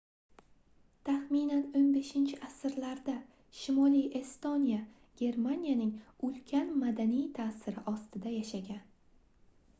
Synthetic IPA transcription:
t̪ʰaχminanonbe̞ʃɪnt͡ʃʰɪʔasɪɾlaɾd̪a | ʃɪmɒlije̞st̪onija | ɡ̥ʲe̞ɾmanijanɪŋʊlkʲʰanmad̪anijt̪ʰaːsɪɾɪʔɒst̪ɪd̪ajaʃaɡʲan

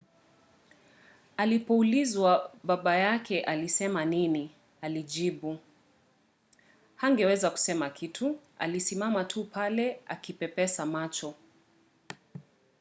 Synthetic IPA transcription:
alipɔulizwaɓaɓajakʰɛʔalisɛmanini | alid͡ʒiɓu | haŋɡɛwɛzaku̥sɛmakʰitʰua̰lisimamatʰupʰalɛa̰kipɛpɛsamat͡ʃɔ

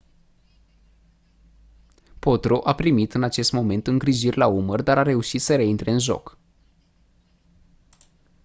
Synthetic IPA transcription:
po̞t̪ɾoʔapɾimit̪ɨnat͡ʃe̞st̪mo̞me̞nt̪ɨŋɡɾiʒirʲlaumərd̪aɾaɾe̞uʃit̪səɾe̞int̪ɾe̞ɨnʒo̞̰k

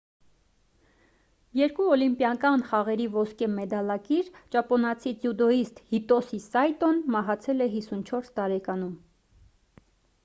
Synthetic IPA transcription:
jɛɾkuɔlimpjɑkɑnχɑʁɛɾivɔskɛmɛd̪ɑlɑkiɾt͡ʃɑpɔnɑt͡sʰit͡sjud̪ɔist̪hit̪ɔsisɑjt̪ɔnmɑɦɑt͡sʰɛlɛɦisunt͡ʃʰɔɾst̪ɑɾɛkɑnum

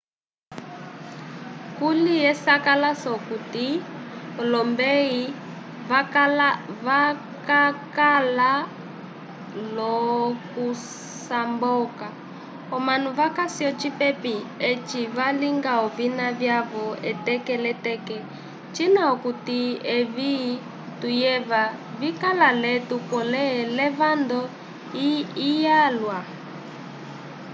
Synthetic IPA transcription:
kulijɛsakalasɔkutiɔlɔmbei | βakalaβa | kakala | lɔku | sambɔːka | ɔmanuβakasiɔt͡ʃipɛpiet͡ʃiβaliŋɡaɔβinaβjaβɔɛtɛkɛlɛtɛkɛ | t͡ʃinaɔkutieβi | tujɛβa | βikalalɛtupɔlɛlɛβand̪ɔ | iijalwa

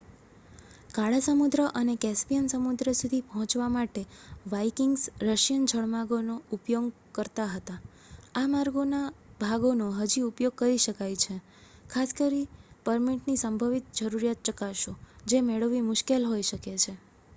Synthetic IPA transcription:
kaɭasəmud̪ɾəʔənekɛspijənsəmud̪ɾəsud̪ʱipəɦɔ̃t͡ʃʋamaʈeʋaikɪŋɡsɾəʃjənd͡ʒʱəɭmaɡonoupjoɡ | kəɾt̪aɦət̪a | amaɾɡonabʱaɡonoɦəd͡ʒiupjoɡ̚kəɾiʃəkajt͡ʃʰe | kʰaskəɾipəɾmiʈnisəmbʱəʋit̪̚d͡ʒəɾuɾijat̪̚t͡ʃəkaʃod͡ʒemeɭəʋimʊʃkelɦojʃəket͡ʃʰe

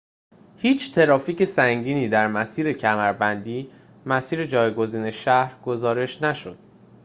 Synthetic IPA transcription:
hiːt͡ʃʰt̪ʰe̞ɾɒːfiːcʰe̞sæŋɟiːniːd̪æɾmæsiːɾe̞cʰæmæɾbænd̪iː | mæsiːɾe̞d͡ʒɒːjɡo̞ziːne̞ʃæhɾɡ̥o̞zɒːɾe̞ʃnæʃod̪̥̚

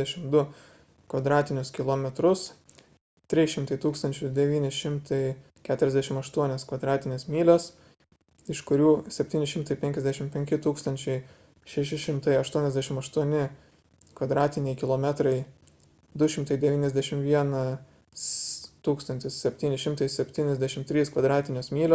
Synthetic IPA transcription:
ɛʃʲɪmd̪ʊ | kʋɐd̪ɾɑːt̪ʲɪnʲʊskʲɪlˠoːmʲɛt̪ɾʊs | t̪ʲɾʲɪʃʲɪmt̪ɐɪt̪uːkst̪ɐnʲt͡ʃʲʊd̪ʲɛʋʲiːnʲɪʃʲɪmt̪ʰɐɪ | kʲæːt̪ʊɾʲɛzd̪ʲæʃʲɪmɐʃt̪uɔnʲɛskʋɐd̪ɾɑːt̪ʲɪnʲeːsmʲiːlʲɛs | ɪʃkʊɾʲuːsʲɛpʲt̪ʲiːnʲɪʃʲɪmt̪ɐɪpʲɛŋʲkʲɛzd̪ʲæʃʲɪmpʲɛŋʲkʲɪt̪uːkst̪ɐnʲt͡ʃʲɛɪ | ʃʲɛʃʲɪʃʲɪmt̪ɐɪɐʃt̪uɔnʲɛzʲd̪ʲæːʃʲɪmɐʃt̪uɔnʲɪ | kʋɐd̪ɾɑːt̪ʲɪnʲɛɪkʲɪlˠoːmʲɛt̪ɾɐɪ | d̪ʊʃʲɪmt̪ɐɪd̪ʲɛʋʲiːnʲɛzʲd̪ʲæʃʲɪmʋʲiɛnɐ | st̪uːkst̪ɐnt̪ʲɪssʲɛpʲt̪ʲiːnʲɪʃʲɪmt̪ɐɪsʲɛpʲt̪ʲiːnʲɛzʲd̪ʲæʃʲɪmt̪ʲɾʲiːskʋɐd̪ɾɑːt̪ʲɪnʲoːsmʲiːlʲo

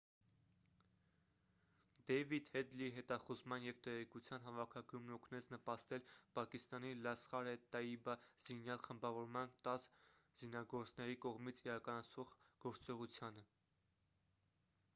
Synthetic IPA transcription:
d̪ɛvid̪hɛd̪liɦɛt̪ɑχuzmɑnjɛvt̪ɛʁɛkut͡sʰjɑn̪ɦɑvɑkʰɑɡjumnɔkʰnɛt͡snəpɑst̪ɛlpɑkist̪ɑnilɑsχɑɾɛt̪ɑibɑz̥injɑlχəmbɑvɔɾmɑnt̪ɑs | z̥inɑɡɔɾt͡snɛɾikɔʁmit͡sʰiɾɑkɑnɑt͡sʰvɔʁɡ̥ɔɾt͡sɔʁut͡sʰjɑnə

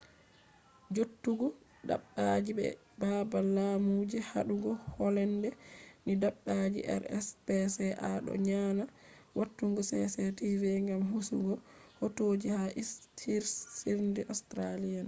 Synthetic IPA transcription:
d͡ʒotːuɡɔ | da̰ɓːad͡ʒibɛ̰ | babalamud͡ʒɛha̰ɗuɡɔhɔlɛndɛnidaɓːad͡ʒḭʔɛ̰ɾɛ̰spɛsɛʔaɗɔ̰ɲana | watːuŋɡɔsɛ̰sɛtivɛŋɡamɦusṵɡɔhotoːd͡ʒihaʔistʰiɾsiɾndɛʔɔstɾalian

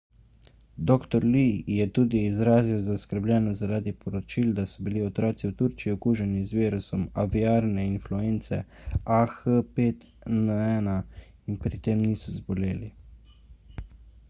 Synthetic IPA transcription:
d̪oːkt̪ɔɾlijɛt̪uːd̪iːzɾaːziwzaskəɾblʲɛnɔzaɾaːd̪ipɔɾɔt͡ʃild̪asɔbiliɔt̪ɾaːt̪siwt̪uɾt͡ʃiɔkuːʒɛnizʋeːɾusɔmaviaːɾnɛinfluent̪sɛ̰axəpet̪ | nəɛna | inpɾit̪eːmniːsɔzbɔleːli

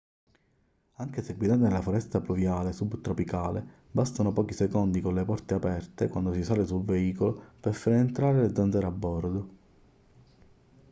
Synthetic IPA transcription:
aŋkeseɡwid̪aːt̪enelafoɾɛst̪apluvjaːlesubt̪ɾopikaːle | bast̪anopɔːk̟isekond̪ikonlepɔrt̪eapɛrt̪ekwand̪osisaːlesulveiːkoloperfaɾent̪ɾaːɾeled̪zand̪zɛɾabːɔrd̪o

